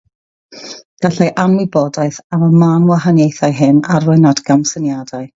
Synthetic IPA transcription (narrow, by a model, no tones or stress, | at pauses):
ɡ̥aɬɛjʔanmɪbɔdajθaməmanwaɦanjejθajɦɪnarʊɨnadɡamsənjadaɨ